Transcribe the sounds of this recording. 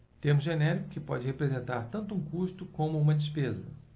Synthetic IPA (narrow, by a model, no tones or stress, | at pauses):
t̪ẽmʊzʒenɛɾikʊkɪpɔd͡ʒɪhepɾezẽnt̪aɾt̪ɐ̃nt̪ʊuũkuʃt̪ʊkõmʊũmɐd͡ʒispezɐ